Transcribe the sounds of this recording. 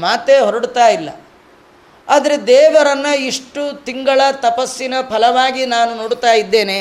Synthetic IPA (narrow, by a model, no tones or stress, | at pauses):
maːt̪eːɦɔɾɐɽt̪aːjilːɐ̰ | aːd̪ɐɾed̪ɛːʋɐɾɐnːɐiʂʈut̪iŋɡɐɭɐt̪ɐpɐsːinɐpʰɐlɐʋaːɡinaːnunoːɽt̪aːjid̪ːe̞ːne